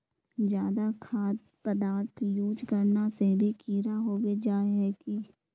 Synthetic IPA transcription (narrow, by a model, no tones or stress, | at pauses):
d͡ʒjaːd̪akʰaːd̪̚ | pəd̪aːɾt̪ʰjuːd͡ʒkəɾnasebʱikiːɾaɦoːɡed͡ʒaːeɦɛːki